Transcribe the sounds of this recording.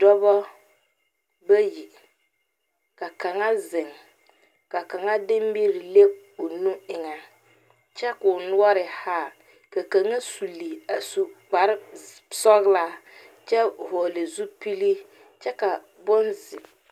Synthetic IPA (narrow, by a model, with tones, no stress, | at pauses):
dɔ˦βɔ˦ | ba˦ji˨ | ka˨ka˨ŋa˦zɪ˨ŋ | ka˨ka˨ŋa˦dɪ˦m˦bi˦ɾi˨le˦ʊ˨nu˦ɪ˨ŋa˨ | t͡ʃɛ˦kʊ˨nʊ˦ɔ˦ɾɪ˨ha˦˨ | ka˨ka˨ŋa˦su˨li˨a˨su˨k͡pa˨ɾɪ˦ | sɔ˦ɣla˦ | t͡ʃɛ˦˨hɔ˨le˨zu˦pi˦li˦ | t͡ʃɛ˦ka˨ | bʊ˦nzɪ˨